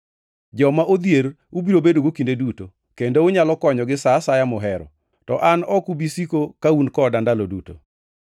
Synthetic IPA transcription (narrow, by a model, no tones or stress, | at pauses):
d͡ʒɔmaʔod̪jeɾ | ubiɾobedoɡokindeduto | kendoʊɲalɔkɔɲɔɡɪsasajamʊɦɛɾɔ̰ | tɔ̰ʔanɔkubisikokaunkɔdandaloduto̰